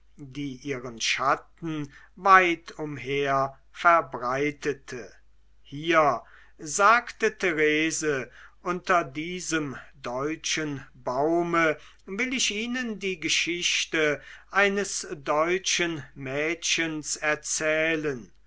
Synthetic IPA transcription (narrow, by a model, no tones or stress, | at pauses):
diːʔiːʁənʃat̚n̩ | vaɪtʰʊmheːɐ | fɛɐbʁaɪtətʰə | hiːɐ | zaːktətʰeʁeːzəʔʊntɐdiːzəmdɔʏt͡ʃənbaʊmə | vɪlɪʃiːnəndiːɡəʃɪɕtəʔaɪnəsdɔʏt͡ʃənmɛːʃənsɛɐt͡sɛːlən